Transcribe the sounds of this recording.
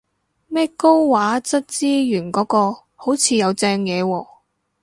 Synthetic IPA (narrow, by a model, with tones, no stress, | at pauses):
mɛː˥ko˥wwaː˨˥t͡sɐ˥t̚t͡siː˥jyː˨˩nkɔː˨˥kɔː˧ | ho˨˥wt͡sʰiː˨˧jɐ˨˧wt͡sɛː˧ŋjɛː˨˧wɔː˧